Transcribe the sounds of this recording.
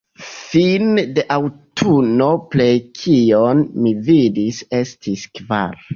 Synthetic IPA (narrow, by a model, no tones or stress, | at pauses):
finde̞ʔawtʰuno̞ple̞jkʰionmividise̞stʰiskva̰ɾ